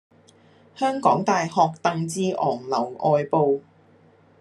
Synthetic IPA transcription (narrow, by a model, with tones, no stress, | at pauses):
hœː˥ŋkɔː˨˥ŋt̪aː˨jhɔː˨˧k̚t̪ɐ˨ŋt͡siː˧ʔɔː˨˩ŋlɐ˨˩wʔɔː˨˧jpo˨˧w